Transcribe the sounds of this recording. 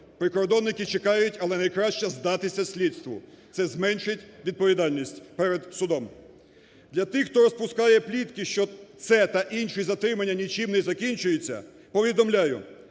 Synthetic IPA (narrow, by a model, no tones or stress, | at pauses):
pɾɪkɔɾd̪ɔnːɪkɪt͡ʃekɑjʊtʲɐlˠɛnɐjkɾɑʃt͡ʃɛzd̪ɑt̪ɪsʲɐsʲlʲid̪st̪ʋʊt̪sɛzmɛnʃɪtʲʋʲid̪̚pɔʋʲid̪ɑlʲnʲisʲtʲpɛɾed̪sʊd̪ɔm | d̪lʲɐt̪ɪxt̪ɔɾɔspʊskɑjɛplʲit̪kɪʃt͡ʃɔt̪sɛt̪ɐʔinʃɪjizɐt̪ɾɪmɐnʲːɐnʲit͡ʃimnɛzɐkʲinʲt͡ʃʊjet͡sʲːɐ̰ | pɔʋʲid̪ɔmlʲajʊ